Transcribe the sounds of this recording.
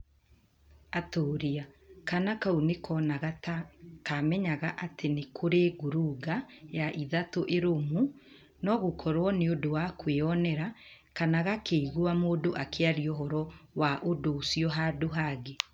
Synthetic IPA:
atoːɾiakanakaunekɔːnaɣatakamɛɲaɣaʔatenekʰoɾeːɡoɾuɡajaʔiðatoʔeɾomu | nɔɣokʰɔɾwɔneodowakweɔnɛɾa | kanaɣakeiɣuamoːdoʔakʰeaɾiɔɦɔɾɔwaʔodoːsijɔɦaːdoɦaɡe

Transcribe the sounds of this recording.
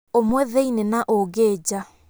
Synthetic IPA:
omwɛðeinenaʔoɡeːd͡ʑa

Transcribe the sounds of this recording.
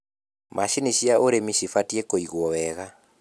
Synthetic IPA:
mʔaʃiniɕiaʔoɾemiʃifatiekoiɣwɔwɛɣa

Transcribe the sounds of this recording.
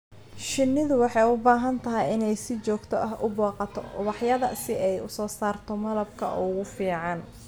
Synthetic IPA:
ʃɪnːɪðʊwɑħɑjʊbaːɦɐnt̪ʰɐɦɛjɪnɛjsɪt͡ʃɔːɡt̪ʰɔʔɐɦʊbɔːqɑt̪ʰɔ̰ʔʊβɑħjɐðɐsɪɛjʊsɔːsaːrt̪ʰɔmɐlɐbkʰɐ̰ɔɣʊfiːʕɑn

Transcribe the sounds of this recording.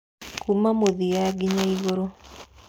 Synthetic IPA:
kumamoðijaɡiɲaiɣoɾo

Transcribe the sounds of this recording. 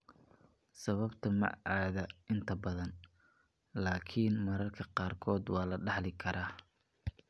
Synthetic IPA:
sɐβɐbt̪ʰɐmɐ̰ʔaːðɐʔɪnt̪ʰɐbɐðɐn | laːkʰiːnmɐɾɐrkʰɐqɑːrkʰɔːd̪wɑːlɐɖɑħlɪkʰɐɾʔaː

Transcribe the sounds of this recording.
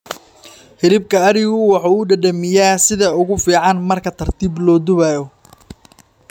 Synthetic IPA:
hɪlɪb̚kʰɐːɾɪɣʊwɑħɑːʊɖɐɖɐmɪjaːsɪðɐʊɣʊfiːʕɑnmɐrkʰɐt̪ʰɐrt̪ʰiːblɔːd̪ʊβaːjɔ

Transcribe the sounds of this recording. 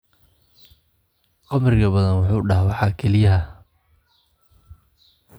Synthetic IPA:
qɑmrɪɣɐbɐðɐnwʊħuːɖɑɦwɑħɑːkʰɛlɪjɐɦɐ

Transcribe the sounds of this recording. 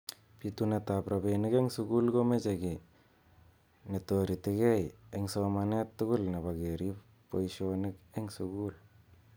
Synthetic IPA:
pitunetapɾabeniɡeŋsuɡulɡomed͡ʒeɡi | netoɾitiɡejeŋsomanetːuɡulneβaɡeɾi | pojsonikeŋsuɡul

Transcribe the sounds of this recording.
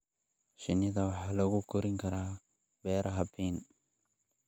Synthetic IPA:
ʃɪnɪðɐwɑħaːlɐɣʊkʰʊɾɪŋkʰɐɾaː | bɛːɾʔɐɦɐbiːn

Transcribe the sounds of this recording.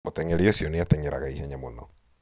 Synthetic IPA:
motɛŋeɾeosiɔneatɛɲeɾa̰ɣaihɛɲamonɔ

